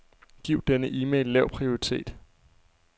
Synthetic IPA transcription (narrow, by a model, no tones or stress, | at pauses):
ɡ̥iʊ̰d̥enəʔimelːɛʊ̰pʰʁio̝ʁit͡sʰe̝̰ːd̥